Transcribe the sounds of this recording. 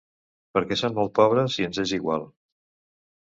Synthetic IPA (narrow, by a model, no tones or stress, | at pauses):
pəɾkɛsommːɔlˠt̪̚pɔβɾəsiənzeziɣwa̰lˠ